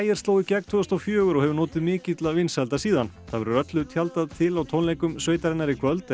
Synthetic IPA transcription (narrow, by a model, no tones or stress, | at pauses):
jɪɾ̥st̪oːwðɪcɛk̚t̪ʰœːɣst̪ɔfjœːɣʏɾɔɣhɛvʏɾnɔːt̪ɪðmɪːcɪt̪lavɪnshɛlt̪asiːðan | θaðvɛɾʏɾœt̪lʏt̪ʰjalt̪aðt̪ʰɪlawt̪ʰownlejkʏmsvœːjt̪aɾɪnːaɾikʰvœlt̪